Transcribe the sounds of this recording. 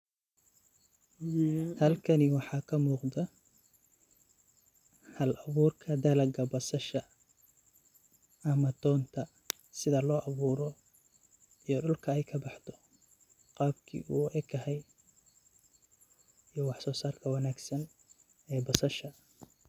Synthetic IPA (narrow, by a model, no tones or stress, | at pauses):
hɐlkʰɐnɪwɑħɑːkʰɐmuːqd̪ɐ | hɐlɐβuːrkʰɐd̪ɐlɐɡɐbɐsɐʃɐ | ɐmɐd̪ʰɔːnt̪ʰɐ | sɪðɐlɔːʔɐβuːɾɔ | ijɞɖʊlkʰɐɛjkʰɐbɑħt̪ʰɔ̥ | qɑːb̚kʰḭːʔṵːʔɛɡɐhɛj | ijɞwɑħsɔːsaːrkʰɐwɑnaːɡsɐn | ɛːbɐsɐʃɐ